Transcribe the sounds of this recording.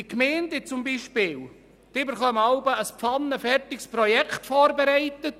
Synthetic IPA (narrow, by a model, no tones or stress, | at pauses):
ikmeːntɪt͡sʊmbiːʃpɪːl | d̥ɪbəɾχœmɑʊbəəspfɑnːəfɛrtɪkspɾɔjɛkʰχtfɔːɾbɛɾæɪt̪ət